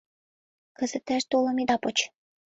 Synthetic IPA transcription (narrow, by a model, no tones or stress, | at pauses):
kə̆zə̆t̪æʃt̪olɤ̆mid̪ɑpot͡ɕ